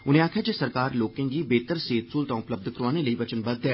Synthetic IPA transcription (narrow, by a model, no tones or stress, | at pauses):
ʊnɦẽaːkʰjad͡ʒesɐɾkaːɾloːkẽŋɡibeːt̪əɾseːt̪suːlt̪ãːʊpləb̚d̪ʱkɾʊaːneleiʋɐt͡ʃənbɐd̪̚e